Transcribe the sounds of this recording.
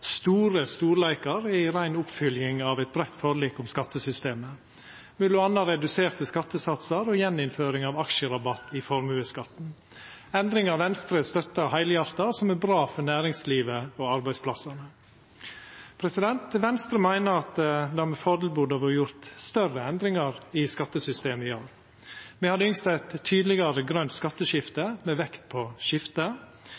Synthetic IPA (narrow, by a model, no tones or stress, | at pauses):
st̪uːɾəst̪uːɾlæɪkɑɾɛɪɾæɪnʊpfʏljɪŋɑʋɛɪt̪̚bɾɛt̪ːfɔɾɭiːkʊmskɑt̪ːəsʏst̪eːmə | mʉlʊɑnːɑɾɛd̪ʉseːɾt̪əskɑt̪ːəsɑt̪səɾɔjɛnːɪnføːɾɪŋɑːʋɑkʃəɾɑbɑt̪ːɪfɔɾmʉːəskɑt̪n̩ | ɛnd̪ɾɪŋɑʋɛnst̪ɾəst̪œt̪ːɑhæɪljɑɾt̪ɑsɔmæɾbɾɑːfɔɾnæːɾɪŋsliːʋəɔɑɾbæɪspʰlɑsɑnə | pʰɾɛsɪd̪ɛnt̪ʋɛnst̪ɾəmæɪnəɾɑt̪d̪ɛɑmɛfɔd̪l̩bud̪ɑʋɔjʊɾt̪st̪œrəɛnd̪ɾɪŋɑɾɪskɑt̪ːəsʏst̪eːməɪoːɾ | mɛhɑd̪əʏŋst̪æɪt̪ʰːyːd̪lɪɡɑɾəɡɾœnt̪skɑt̪ːəʃɪft̪əmɛʋɛkt̪̚pʰɔʃɪft̪ə